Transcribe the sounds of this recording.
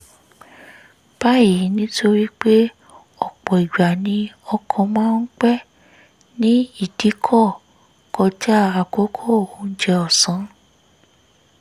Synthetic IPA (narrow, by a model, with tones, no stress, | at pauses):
b̥a˦ji˨˦nĩ˦tʰo˦ɾi˦k͡pe˦ | ɔ˨k͡pɔ˨i˨ɡ͡ba˨nĩ˧ɔ˧kʰɔ̃˧mãː˦n̩˦k͡pɛ˦ | nĩ˦i˦˨d̥i˨˦kʰɔ˦˨ | kɔ˧d͡ʒa˦a˨ko˨˦kʰo˦˨o˨˦n̩˦d͡ʒɛ˧ɔ˨sã˨˦